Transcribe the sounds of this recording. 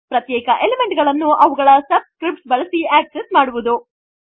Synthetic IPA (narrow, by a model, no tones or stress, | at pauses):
pɾɐt̪jɛːkɐʔeleme̞ɳʈɡɐɭɐnːuʔɐʋuɡɐɭɐsɐb̚skɾip̚ʈsbɐɭɐsiaːksesmaːɽuʋud̪u